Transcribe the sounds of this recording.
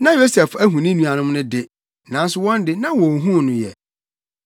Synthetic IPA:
nã˦jo˦sɛ˨fæ˦ɦũ˨nɪ̃˦nũ˨a˨nʊ̃˦m˦nʊ̃˦dɪ˦ | nã˨˦n˦sʊ˨˦wɔ̃˦ndɪ˦nã˦wɔ̃˨ɦũ˦˨nʊ̃˦jɛ̰˨

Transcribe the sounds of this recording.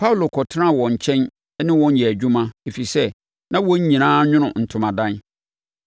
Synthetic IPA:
pʰa˦u˨lo˨kʰɔ˨tʰnã˦˨wɔ̃˨ɲ̩˨t͡ɕʰɛ̃˦n | ɛ˦nɪ̃˦wɔ̃˦ɲ˦jɛ˨æ˨d͡ʑᶣũ˦mã˦e˨fi˨sɛ˦ | nã˦wɔ̃˦ɲ̩˦ɲĩ˨nãː˦ɲᶣʊ̃˦nʊ̃˨n̩˨tʰʊ̃˨mã˨dã˦n

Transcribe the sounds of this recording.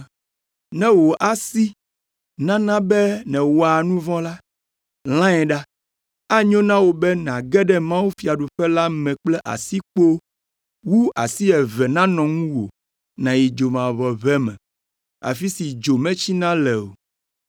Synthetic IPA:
nɛ̃˦wo˨ʔa˦si˦ | nã˦nã˦bɛ˦nɛ̃˨wo˨a˨nũ˦vɔ̃˦la˦ | l̃ã˦ɛ̃˨ɖa˦ | a˦ɲɔ̃˦nã˦wo˨bɛ˦n˨ã˨ɡɛ˦ɖɛ˦mã˦wu˦fi˨a˨ɖu˨ɸɛ˦la˦mɛ̃˨k͡plɛ˦ʔa̰˨si˦k͡po˦ | wu˦a̰˨si˦ɛ˨vɛ˨nã˦nɔ̃˨ŋũ˦wo˨ | nã˨ji˨d͡ʒo˨mã˨βɔ˨βɛ˦mɛ̰̃˨ | a̰˨fi˦si˨d͡ʒo˨mɛ̃˦t͡ɕi˦nã˦lɛ˨o̰˨

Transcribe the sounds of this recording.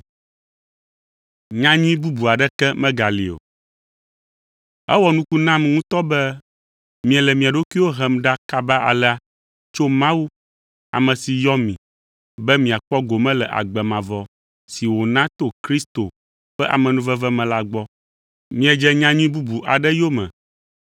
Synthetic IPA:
ɲã˦ɲũ˦ĩ˦bu˦bu˨a˨ɖɛ˦kɛ˦mɛ̃˦ɡa˨lḭ˨o̰˨ | ɛ̰˦wɔ˨nũ˦ku˦nã˦mŋũ˦t̪ɔ˦bɛ˦ | mĩ˨ɛ˨lɛ˨mĩ˨a˨ɖo˦ki˦wo˦ɦɛ˦˨mɖa˦ka˦ba˦a̰˨lɛ˦a˦ | t͡ʃo˦mã˦wu˦ | a̰˨mɛ̃˨si˨jɔ˦mĩ˨ | bɛ˦mĩ˨a˨k͡pɔ˦ɡo˨mɛ̃˦lɛ˨ʔa̰˨ɡ͡bɛ˨mã˨vɔ˦ | si˨wo˨nã˦t̪o˦kɾi˦st̪o˨ | ɸɛ˦ʔa̰˨mɛ̃˨nũ˦vɛ˦vɛ˦mɛ̃˨la˦ɡ͡bɔ˦ | mĩ˦ɛ˨d͡ʒɛ˦ɲã˦ɲũ˦ĩ˦bu˦bu˨ʔa̰˨ɖɛ˦jo˦mɛ̰̃˨

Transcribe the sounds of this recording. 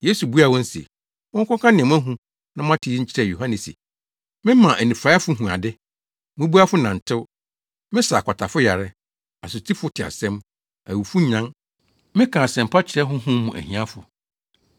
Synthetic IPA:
je˦su˨bu˦a˦˨wɔ̃˦n̩˦sḛ˨ | mʊ̃˦ŋ̩˦kʰɔ̃˦kʰã˦nɪ̃˨ɛ˨m̃˦æ˦ɦũ˦ | nã˦mʊ̃˦a˦tʰɪ˨i˦t͡ɕʰɪ˦ɾɛ˦˨jo˨ɦã˦nɛ̃˨sḛ˨ | mɪ̃˦mã˨ʔæ˨nĩ˨fɾa˨˦a˦fʊ˦ɦũ˨a̰˨dɪ˦ | mʊ̃˦bu˦a˦fʊ˦nã˨n̩˨tʰɪ˦w | mɪ̃˦sa˨kʰa˨tʰa˨fʊ˦ja˨ɾɛ˦ | a˨sʊ˨tʰi˦fʊ˦tʰɪ˨a̰˨sɛ̃˦m | æ̰˨wu˨fu˦ɲ̩˦ã˦ŋ | mɪ̃˦kʰã˨sɛ̃˨m̩˨pʰa˦t͡ɕʰɪ˨ɾɛ˦ɦʊ̃˦ɦʊ̃˦mũ˨ʔæ̰˨hĩ˨˦ã˦fʊ˨

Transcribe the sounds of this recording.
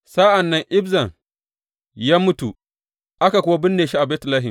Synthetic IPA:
sa˦ʔa˨nːɐ˦ŋʔɪ˦bzɐ˨ŋ | jaː˦mʊ˦tu˨ | ʔa˦ka˨kʷʊ˦wa˦bɪ˦nːeː˨ʃi˦ʔa˨beː˦tlaː˦ɦɪ˨m

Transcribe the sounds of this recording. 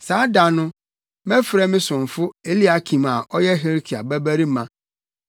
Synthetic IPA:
saː˨˦da˨nʊ̃˦ | mɛ̃˦fɾɛ˦mɪ̃˦sʊ̃˨ɱ˨fʊ˦e˦li˦a˨kʰĩ˨ma˨ɔ˦jɛ˦ɦe˦ɾkʰi˨a̰˨bæ˦bæ˦ɾi˦mã˨

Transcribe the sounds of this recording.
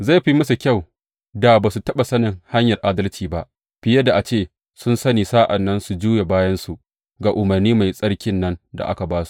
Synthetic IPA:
za˦˨jɸi˦mɐ˦su˨kʲa˦˨w | da˨baː˨su˨tɐ˦ɓa˨sɐ˦nɪ˨ŋha˦ɲjɐ˨rʔaː˦dɐ˦lt͡ʃiː˨ba˦ʔ | ɸɪ˦jɐ˦da˨ʔa˨t͡ʃeː˦˨ | sʊ˦nsɐ˦niː˨saː˦ʔa˨nːɐ˦nsu˨d͡ʒuː˦je˨baː˦jɐ˦nsu˨ʔ | ɡaː˨ʔʊ˨mɐ˨rniː˦ma˨jsʼɐ˦ɽkʲɪ˦nːɐ˦nda̰˨ʔa̰˦ka˨baː˦su̥˦˨ʔ

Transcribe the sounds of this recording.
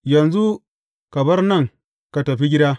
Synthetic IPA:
jɐ˨nzu˦ | kɐ˨bɐ˦rnɐ˦˨ŋ | ka˨tɐ˨ɸi˦ɡʲɪ˦daː˦

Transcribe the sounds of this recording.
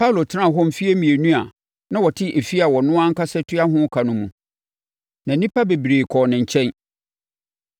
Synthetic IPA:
pʰa˦u˨lo˨tʰɪ˦ã˦˨ɦɔ̃˦m̩˨fi˦e˦mĩ˨e˨nũ˦a˨ | nã˦wɔ˨tʰɪ˦ʔe˨fi˦a˨wɔ˨nʊ̃˦ã˦ŋ̩˦ka˦sɛ˦tʰʊ˦a˦ɦʊ̃˦kʰa˨nʊ̃˦mũ˨ | nã˨˦nĩ˦pʰa˦be˨bɾeː˨kʰɔ˨nɪ̃˨ɲ̩˨t͡ɕʰɛ̃˦n

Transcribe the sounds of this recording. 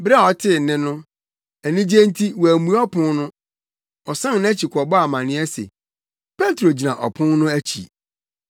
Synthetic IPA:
ba˦˨ɔ˨tʰɪ˦˨nɪ̃˦nʊ̃˦ | æ˨nĩ˦d͡ʑe˦n˦tʰi˦wɔ˨æ˨mũ˦ɔ˦pʰʊ̃˦nnʊ̃˦ | ɔ˨sã˦n˦ñ˦æ˦t͡ɕʰi˨kʰʷɔ˨bɔ˦a˨mã˨nɪ̃˦ɛ˦sḛ˨ | pʰɛ˦tɾo˨d͡ʑi˨nã˨ʔɔ̰˨pʰʊ̃˦nnʊ̃˦æ˦t͡ɕʰḭ˨

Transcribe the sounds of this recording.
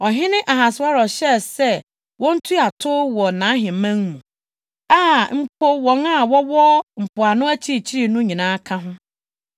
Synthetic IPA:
ɔ˨ɦɪ̃˦nɪ̃˦ʔa˨ɦa˨sʊ˨˦a˦ɾɔ˨ɕɛ˦sɛ˦ | wɔ̃˦n̩˦tʰu˦a˨tʰʊ˦wɔ˨nãː˨˦ɦɪ̃˨mã˦ŋmũ˨ | a˦m̩˦pʰo˦wɔ̃˦na˦˨wɔ˦wɔ˦m̩˨pʰʊ˨a˨nʊ̃˦æ˦t͡ɕʰi˦ɾi˨t͡ɕʰi˦ɾi˨nʊ̃˦ɲĩ˨nãː˦kʰã˦ɦʊ̃˦

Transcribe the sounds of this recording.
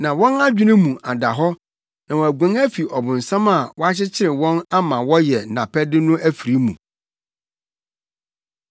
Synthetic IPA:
nã˨wɔ̃˦na˦d͡ʑᶣi˦nʊ̃˦mũ˨a˨da˨ɦɔ˦ | nã˨wɔ̃˨æ˨ɡʷæ̃˨næ˦fi˨ʔɔ˨bʊ̃˨n̩˨sã˦ma˨wɔ˦a˦t͡ɕɪ˦t͡ɕʰɪ˦ɾɪ˨wɔ̃˦na˦mã˨wɔ˦jɛ˨nã̰˨pʰɛ˦dɪ˦nʊ̃˦ʔæ˦fi˨ɾi˦mṵ̃˨

